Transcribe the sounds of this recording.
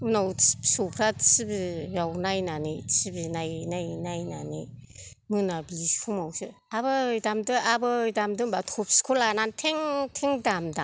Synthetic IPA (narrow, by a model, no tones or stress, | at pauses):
unawsopʰɾatsibijawnajnanisibinajnajnajnanimɯnabiskʰumawsɯaβɯjdamdɯʔabɯjdamdɯnbatʰɔp̚skʰolanantʰeŋtʰeŋdamda